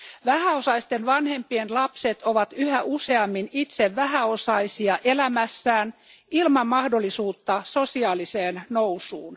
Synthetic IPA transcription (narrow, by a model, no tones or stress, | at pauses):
ʋæhæosɑist̪enʋɑnhe̞mpienlɑpset̪oʋɑt̪yhæʔuse̞ɑmːinit̪seʋʋæɦæo̞sɑisiɑʔelæmæsːæːnilmɑmːɑhdo̞lːˑisuːt̪ːɑsosiɑːliseːnnowsuːn